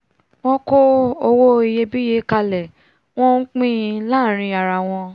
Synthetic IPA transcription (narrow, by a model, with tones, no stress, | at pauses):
w̃ɔ̃˦ko˦o˧wo˦i˨je˧bi˦je˨˦ka˧lɛ˨ | w̃ɔ̃˦n̩˦k͡pĩ˦˧laː˦˨ɾ̃ĩ˧a˨ɾa˨w̃ɔ̃˧